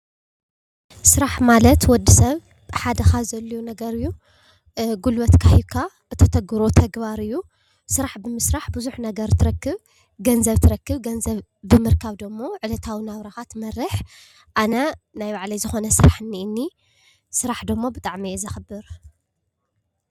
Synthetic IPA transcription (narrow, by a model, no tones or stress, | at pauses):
sɨɾaħmalɐt̪wɔd̪ːisɐβ | ħad̪ɐxazɐlːujunɐɡɐɾɨjːu | ɡulwɐt̪kʰahikʰa | ɨt̪ʰɐt̪ʰɐɡɨɾo̞t̪ʰɐɡbaɾɨjːu | sɨɾaħbɨmɨsɾaħbɨzuħnɐɡɐɾt̪ʰɨɾɐkːɨβ | ɡɐnzɐβt̪ʰɨɾɐkːɨβɡɐnzɐβbɨmɨɾkʰaβd̪ɐmːo̞ʕɨlɐt̪ʰawinaβɾaxat̪mɐrɨħ | ʔanɐnajβaʕlijzɨxonɐsɨɾaħɨnːiʔɨnːi | sɨɾaħd̪ɐmːo̞bɨt̪ʼaʕmiezɐxɨbɨɾ